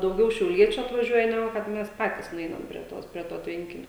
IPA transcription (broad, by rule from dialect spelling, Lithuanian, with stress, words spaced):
dɐʊˈɡʲɛʊ ʃʲɛʊˈlʲiɛt͡ʃʲʊ ɐtʋɐˈʒʲuɔjɛ nʲɛˈɡʊ kɐt ˈmʲɛs ˈpɑːtʲiːs nʊˈɛɪnɐm pʲrʲiɛ ˈtoːs pʲrʲiɛ ˈtoː ˈtʲʋʲɛŋʲkʲɪnʲoː